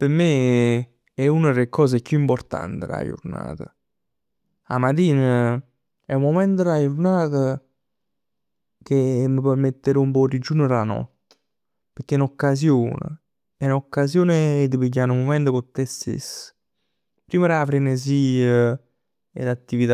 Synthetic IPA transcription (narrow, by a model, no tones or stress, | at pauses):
pəɾme | ɛunəɾekːɔːs̬ekːjuimpoɾt̪a̰nt̪əɾa̰jṵɾna̰ːt̪ə̰ | a̰mat̪iːnə | ɛumːomɛnt̪əɾajuɾnaːt̪ə | k̟eməpɔɾmet̪ːeɾɔumpɔrid͡ʒːunəɾanɔ̰t̪ | pəɾk̟ːenokːas̬joːnə̰ | ɛnokːasjoːneːd̪əpiɟːanumomɛnt̪əkot̪ːest̪ḛs | pɾiːməɾafɾenəs̬iːə | ḛlat̪ːivit̪a